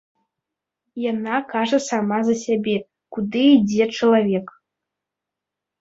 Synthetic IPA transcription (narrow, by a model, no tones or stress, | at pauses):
janakaʐɐsamazɐsʲabʲɛ | kud̪ɨid͡zʲɛt͡ʂɐlˠavʲɛk